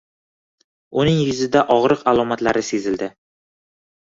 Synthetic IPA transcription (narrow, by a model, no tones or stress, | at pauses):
ʊnɪŋjɵzɪd̪aʔɒʁɾɨqalˠɒmat̪laɾɪsezɪld̪ɪ